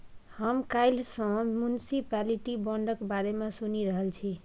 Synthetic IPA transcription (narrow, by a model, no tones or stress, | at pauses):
həmkajlsʌ̃mjunisipaliʈibɔɳɖəkbaɾemesuniɾəɦəlt͡ʃʰi